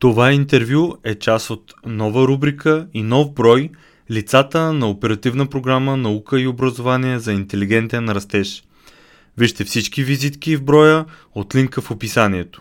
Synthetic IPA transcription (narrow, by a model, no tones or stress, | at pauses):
t̪ovaint̪ɛɾvʲjuɛt͡ʃasot̪nɔvəɾubɾikʰəinɔvbɾɔj | lit̪sat̪ənɐopɛɾɐt̪ivnəpɾoɡɾamənɐukəiobɾɐzovaniɛzɐint̪ɛliɡɛnt̪ijənɐɾɐst̪ɛʃ | viʃt̪ɛfsit͡ʃkivizit̪kivbɾɔjə | ot̪liŋkəfopisaniɛt̪o̥